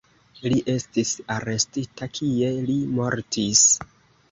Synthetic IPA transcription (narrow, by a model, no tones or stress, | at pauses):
liʔe̞stisaɾe̞stitakʰie̞limo̞ɾtis